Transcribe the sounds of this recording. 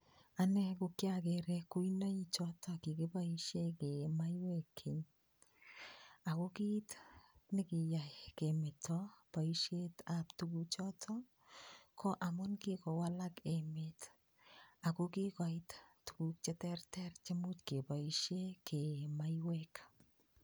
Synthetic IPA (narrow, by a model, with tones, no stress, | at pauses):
a˨nɛ˦kʊ˨kjakeɾɛku˦inɔ˦i˦t͡ʃɔtɔki˨kɪ˦pa˦i˦ʃe˦ke˨ma˦jwɛ˦kʰːe˨ɲ | a˨ko˦ki˦tnɪ˦kɪ˨ja˨ke˨mɪ˨tɔpa˨iʃe˦taptukut͡ʃɔ˦tʰɔ | kʰɔ˦ʔa˨mʊ˦nki˦kɔ˨wa˦la˦ke˨mɪt | a˨ko˦ki˦kɔ˨ɪ˦ttu̥˨ku˨k̚t͡ʃɛ˦tɛ˦rtɛ˦rt͡ʃe˦mu˦tke˨pa˨iʃe˦ke˨ma˦jwɛk